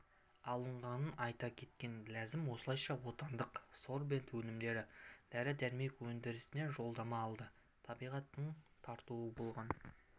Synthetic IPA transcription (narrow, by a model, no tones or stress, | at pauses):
ɑlˠəɴʁɑnənɑjt̪ɑkʲʰe̞t̪̚kʲe̞nɡlæzɪmwo̞səlˠɑjʃɑwo̞t̪ɑnd̪əqso̞ɾbe̞nt̪wɵnɪmd̪e̞ɾɪd̪̥æɾɪd̪æɾme̞kwɵnd̪ɪɾɪsɪne̞ʒo̞lˠd̪ɑmɑːlˠd̪ə | t̪ʰɑbijʁɑt̪ːəɴt̪ʰɑɾt̪uəbo̞lˠʁɑn